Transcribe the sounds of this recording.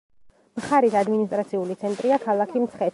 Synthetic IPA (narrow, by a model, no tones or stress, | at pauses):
mχaɾisad̪minis̬t̪ʼɾat̪sʰiulit̪sʰɛnt̪ʼɾiakʰalˠakʰimt̪sʰχɛ